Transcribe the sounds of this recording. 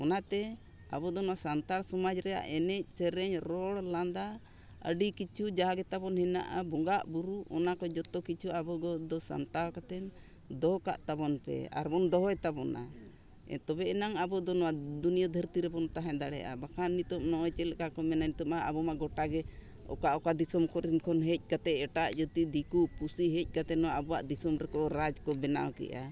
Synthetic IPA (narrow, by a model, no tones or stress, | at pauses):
ɔnat̪ɛ | a̰bɔd̪ɔnɔwasant̪aɽsɔmad͡ʒɾɛja̰ʔɛnɛc̚ˀsɛɾɛɲɾɔɽland̪a | ə̰ɖikit͡ʃud͡ʒaɡɛt̪abɔnhɛna̰ʔa̰bɔŋɡaʔbuɾuʔɔnakɔd͡ʒɔt̪ɔkit͡ʃuabɔɡɔd̪ɔsa̰nt̪awkat̪ɛn | d̪ɔka̰ʔt̪abɔnpɛ̰a̰ɾbɔnd̪ɔɦɔɛt̪abɔna̰ | t̪ɔbɛɛnaŋabɔd̪ɔnɔwad̪unijɔd̪ʱəɾt̪iɾɛbɔnt̪aɦɛ̃d̪aɽɛ̰ʔa̰bakʰanit̪ɔp̚nɔɔjt͡ʃɛlɛkakɔmɛnanit̪ɔmaabɔmaɡɔʈaɡɛ | ɔ̰kaʔɔkad̪isɔmkɔɾinkʰɔnɦɛc̚ˀkat̪ɛɛʈaʔd͡ʒɔt̪id̪ikupusiɦɛc̚ˀkat̪ɛnɔwaabɔwaʔd̪isɔmɾɛkɔɾad͡ʒkɔbɛna̰wkɛ̰ʔa̰